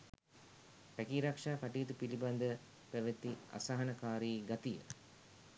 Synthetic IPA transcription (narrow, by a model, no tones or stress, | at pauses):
pækiːɾakʂaːkaʈijət̪upiliband̪ə | pæʋet̪ːia̰saɦɐnɐkaːɾiːɡat̪ijə̰